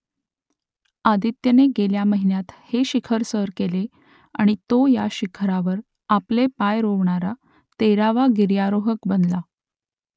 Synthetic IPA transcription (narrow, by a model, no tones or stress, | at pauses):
ad̪it̪jəneɡeljaməɦinjat̪heɕikʰəɾsəɾkele | a̰ɽ̃it̪ojaɕikʰɾaʋəɾ | aplepajɾoʋɳaɾa | t̪eɾaʋaɡiɾjaɾoɦəkbənla